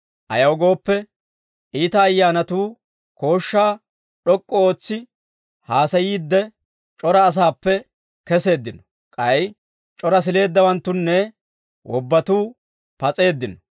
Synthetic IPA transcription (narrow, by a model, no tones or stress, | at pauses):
ʔɐ̰jɐwɡo̞ːpːɛ | ʔiːt̪ɐːjːaːnɐt̪uː | ko̞ːʃːaː | ɗɔkʼːɔo̞ːt͡sːɪ | haːsɐjiːd̪ːɛ | t͡ʃʼɔɾɐːs̬aːpːɛ | kɛse̞ːd̪ːɪnɔ̥ | kʼɐj | t͡ʃʼɔɾɐs̬ɪle̞ːd̪ːɐwɐnt̪ːʊnːɛ | wʔɔbːɐt̪uː | pɐt͡sʼe̞ːd̪ːɪnɔ